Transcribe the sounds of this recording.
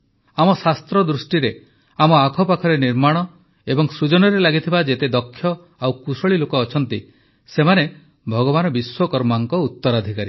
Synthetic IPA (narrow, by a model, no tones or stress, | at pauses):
amɔsast̪ɾɔd̪ɾusʈiɾe | amɔakʰɔpakʰɔɾeniɾmaɽ̃ɔ | ebɔŋsɾud͡ʒɔnɔɾelaɡit̪ʰibad͡ʒet̪ed̪ɔkʰːjɔ | awkusɔɭilokɔːt͡ʃʰɔnt̪i | semane | bʱɔɡɔβanɔbiswɔkɔɾmaŋkɔut̪ːɔɾad̪ʱikaɾi